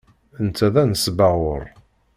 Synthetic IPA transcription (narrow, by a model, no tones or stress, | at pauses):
ənt͡sːæðænəsbaʁʊɾ